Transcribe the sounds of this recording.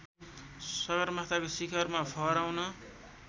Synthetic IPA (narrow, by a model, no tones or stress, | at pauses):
sʌβʌɾmaɦt̪akosikʰʌrmapʰʌɾawnʌ